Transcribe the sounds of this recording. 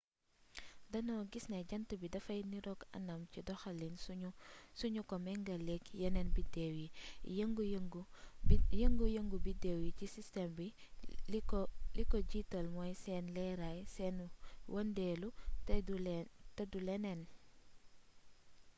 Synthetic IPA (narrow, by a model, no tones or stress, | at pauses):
dɐnɔɡisnɛɟɐntəbidɐfɐjniɾɔɡɐ̰nɐmcidɔxɐlinssuɲukɔmɛŋɡɐlɛkjɐnɛnbidewjiŋɡ | jəŋɡujəŋɡubidɛwjicisistɛmbi | likɔɟitɔlmɔjsɛːnlɛɾajsɛnwʔɐndɛlu | tɐdulɛnɛn